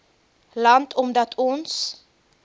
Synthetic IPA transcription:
lant̪ʰɔmd̪at̪ʰɔns

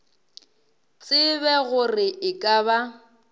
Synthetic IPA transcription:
t͡sʼɪβɛɣʊrɪɪkʼaβa

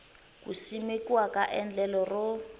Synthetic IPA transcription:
kṵsimekiwakaʔɛnd͡ɮɛlɔrʊ

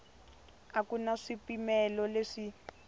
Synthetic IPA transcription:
akunaʂipimɛlɔleʂi

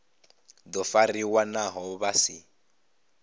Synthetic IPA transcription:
d̪ɔfariwanaɦɔβasḭ

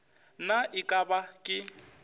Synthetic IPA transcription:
naʔɪkʼabakʼɪ

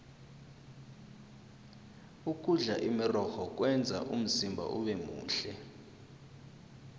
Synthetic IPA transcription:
uk̬ʼuɮaʔimirɔxɔk̬ʼwɛnd͡zʱa̰ʔum̩zimbʱa̰ʔuɓɛmṵːɬɛ

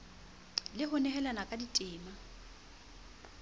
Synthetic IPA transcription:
lɪɦʊnɛɦɛlanakʼaditʼɪːma

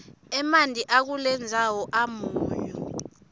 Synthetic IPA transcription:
ɛmandʱiʔak̬ulɛnd͡zʱawɔʔamuːjɔ̰

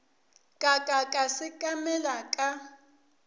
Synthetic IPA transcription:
kʼakʼakʼasɪkʼamɛlakʼa

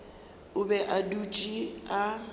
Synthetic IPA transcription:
ʊbɛʔadut͡ʃʼia

